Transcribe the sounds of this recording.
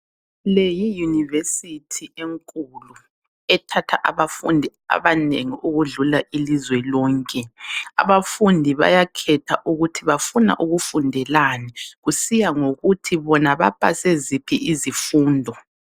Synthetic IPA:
lejijunivesitʰieŋkʼulu | ɛtʰatʰaʔaβafundʱi | a̰βaneŋiʔuɣuɮulaʔilizwɛlɔːŋkʼɛa̰βafundʱiβa̰jakʰɛtʰaʔuɣutʰiβafuna̰ʔuɣufundʱɛlanɛɣusijaŋoɣutʰiβɔnaβa̰pʼa̰sezipʰḭʔizifuːndʱɔ

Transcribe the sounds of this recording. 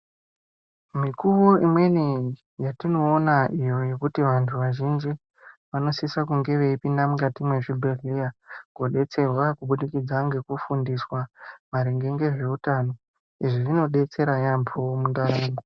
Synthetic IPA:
mikuʋo̞imwe̞ni | jatino̞ːnaʔijo̞je̞kutiʋantʰuʋaʒind͡ʒi | ʋanosisakuŋɡe̞ʋe̞ipindamukatimwe̞ʐibʱeriaɡoɗe̞t͡se̞rwakuɓuɗikid͡zaŋɡe̞kufundiswamaɾiŋɡe̞ŋɡe̞ʐe̞utano̞ | iʐiʐino̞ɗe̞t͡se̞ɾajampʰomundaɾaːmɡo

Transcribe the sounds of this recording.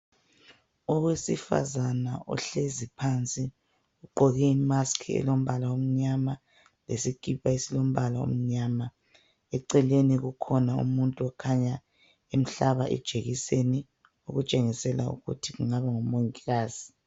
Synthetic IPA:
ɔwesifa̰zanaʔɔ̰ɬezipʰant͡sʼi | uɡ͡ǃʱɔɣɛimaskʰiɛ̰lom̩βalaom̩ɲama | lesikʼipʰʼaisilom̩βalao̰m̩ɲaːma | ɛǀɛleniɣukʰɔnaṵmuntʼuɔkʰaɲa | em̩ɬaβaʔɛ̰d̥ʒ̥ʱeɣiseni | uɣut͡ʃʼeŋisɛlaṵɣṵtʰiɣuŋaβaŋɔmoŋiɣaːz̥i

